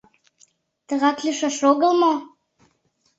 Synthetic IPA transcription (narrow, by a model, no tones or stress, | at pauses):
t̪ə̆ɣɑklʲiʃɑʃoɣə̆lˠmo